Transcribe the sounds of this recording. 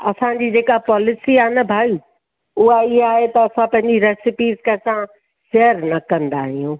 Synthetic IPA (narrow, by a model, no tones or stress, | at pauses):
ɐ̰sãd͡ʑid͡ʑeːkapɔːlɪsiaːnɐbʱaːu | ʊɦaɪɦaːɦet̪ɐɐsãpɐ̃ɦɪ̃ɲd͡ʑiɾɛːsɪpiːzkɐ̃sã | ʃeɦəɾnɐkɐ̃nd̪aːɦijũː